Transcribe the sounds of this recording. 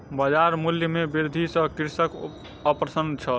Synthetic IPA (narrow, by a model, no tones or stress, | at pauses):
bəd͡ʒaɾmuljəmebiɾd̪ʱisə̃kiɾsək | əpɾəsənd̪t͡ʃʰəl